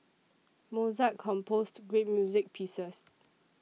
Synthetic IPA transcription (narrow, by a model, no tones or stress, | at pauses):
mozakʰːɔ̃mpʰostɡɹet̚mjuzɪk̚pʰisəs